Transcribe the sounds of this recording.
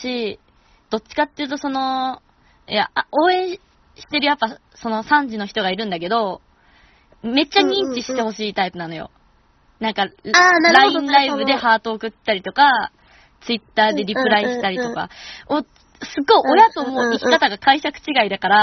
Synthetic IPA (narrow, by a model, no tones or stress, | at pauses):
ɕi | d̪̥o̞t͡ɕːi̥kat̪ːejiɯ̟t̪o̞so̞no̞ | jao̞ːẽ̞ɰ̃ | ɕi̥t̪e̞ɾɯ̟japːa | so̞no̞sãɲ̟d͡ʑino̞çi̥t̪o̞ɡaiɾɯ̟̃nd̪ake̞d̪o̞ | me̞t͡ɕːaɲ̟ĩɲ̟t͡ɕiɕi̥t̪e̞ho̞ɕiːt̪aipɯ̟nano̞jo̞̰ | nãŋkaanaɾaĩnɾaibɯ̟d̪e̞haːt̪o̞ːkɯ̟t̪ːaɾʲit̪o̞ka | t͡sɨit̪ːaːd̪e̞ɾʲipɯ̟ɾaiɕi̥t̪aɾʲit̪o̞ka̰o | sɨɡo̞io̞jat̪o̞mo̞ikʲi̥kat̪aɡakʰaiɕakɯ̥t͡ɕiɡaid̪akaɾa